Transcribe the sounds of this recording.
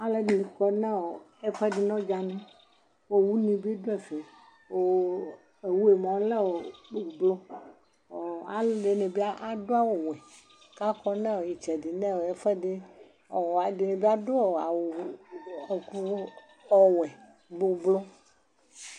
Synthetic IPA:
a˨le˨dlĩ˨kɔ˦nɛ̃˦wo˨ | ɛ˦fɛ˦ɖi˦nɔ̃˦d͡ʒa˨nɛ̃˦ | wo˦˨wu˦nĩ˨be˦do˦ɛ˨fe˨ | wo˦ | e˨wu˦e˨mã˨wlɛ˦wo˨k͡po˨blɔ˦˨ | a˨˦ɖe˨nẽ˨bi˦a˦ʔa˨do˦a˦wo˨wɛ˨ | ka˦kɔ˦nɛ̃˦wo˨ji˨t͡ʃɛ˨di˨nɛ̃˦wo˨ɛ˦fɛ˦ɖi˦ | ɔ˨a˨de˨nẽ˨bi˦a˦do˦o˨a˨wo˨ku˦ | ɔ˨wɛ˨ | ɡ͡bo˨blɔ˦

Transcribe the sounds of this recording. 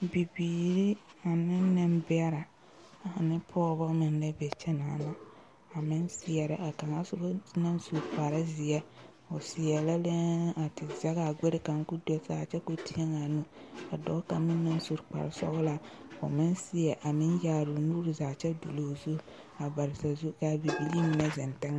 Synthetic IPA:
bi˨biː˨ɾi˦a˨nɪ˦nɪ˦mbɪ˦a˦ɾa˨ | a˨nɪ˦pʰɔː˦bɔ˦mɪ˨n˦lɛ˦bɛ˨t͡ʃɛ˦naː˨˦na˨ | a˨mɪ˦nsɪ˦ɛ˨ɾɪ˦ʔa˨ka˨ŋa˦sʊ˦bna˦nsu˨ɾk͡pa˨ɾa˦zi˨ɛ˦ | ɔ˨si˨jɛ˨la˦le˦a˨tɪ˨za˦ɣa˨ɡʷe˦ɾɪ˦ka˨ŋ˦ku˦dɔ˦saː˨t͡ʃɛ˦ko˨ti˦ɛ˦ŋa˨nu˦a˨dɔ˦ka˨mɪ˦nːa˦n˦su˦ɾk͡pa̰˨ɾa˦sɔ̰˦bla˨o̰˨mɪ˦nsi˦jɛ˨ʔa˨mɪ˦njaː˨ɾu˨nu˦ɾi˨zaː˨t͡ʃɛ˦du˨loː˨zu˦ | a˨ba˨ɾɪ˨sa˨zu˦ka˦bi˨bi˦li˦mi˨˦nɛ˦zɛ˨ntɛ˦ŋa˦˨

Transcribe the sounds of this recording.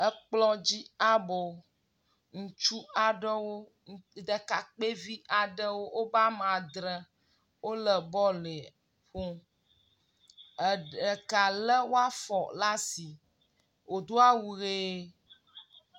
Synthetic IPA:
ə˦k͡plɔ˦d͡ʑi˦a˦bo˨ | ŋũ˨t͡ʃu˦a˨ɖə˦wo˦˨ | d̪ə˨ka˨k͡pe˦vi˦ʔa˨ɖə˦wo˦ʔo˦ba˦mã˨d̪ɾə˦ | wo˦lə˨bɔ˦le˨ | ɸo˦˨ | ə˨ka˨lə˦wo˦a˦fɔ˨la˦si˨ | wo˨d̪o˦a˦wu˦ɣe˦

